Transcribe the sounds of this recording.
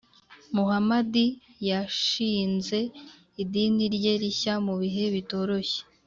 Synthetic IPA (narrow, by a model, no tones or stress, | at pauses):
muɦamadijaʃiːnze̞ | idiniɾɟe̞ɾiçamuβiɦe̞βito̞ːɾo̞çe̥